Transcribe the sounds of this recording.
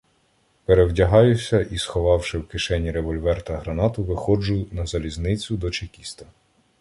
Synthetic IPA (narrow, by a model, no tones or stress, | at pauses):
peɾewdʲɐɦɑjʊsʲɐʔisxɔʋɑwʃɪwkɪʃɛnʲiɾeʋɔlʲʋɛrt̪ɐɦɾɐnɑt̪ʊʋɪxɔd͡ʒʊnɐzɐlʲizʲnɪt͡sʲʊd̪ɔt͡ʃekʲist̪ɐ